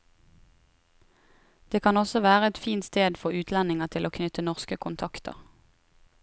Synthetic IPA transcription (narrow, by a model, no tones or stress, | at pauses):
d̪̥eːkʰɑnɔsɔʋæːʁəɛt̪fiːnt̪st̪eːd̪fɔʉːt̪ʰlɛnɪŋɑt̪ʰɪloːkʰnʏt̪ənɔʁskəkʰʊnt̪ʰɑkt̪ə̰ʁ